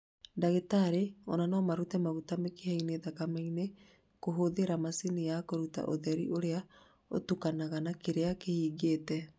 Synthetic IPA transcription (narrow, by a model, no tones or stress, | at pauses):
ndaɣetaɾeɔ̰nanɔmaɾutɛmaɣutamekehaineðakamaine | koɦoðeɾamasinijakoɾuta̰ʔoðɛɾiʔoɾea | otukanaɣanakeɾeakehiːɡeːtɛ